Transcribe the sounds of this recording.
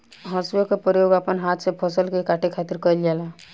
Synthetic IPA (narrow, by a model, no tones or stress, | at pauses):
ɦəsjokepɾəjoɡapənɦat̪ʰsepʰəsəlkekaʈʰekʰat̪iɾkəjld͡ʒala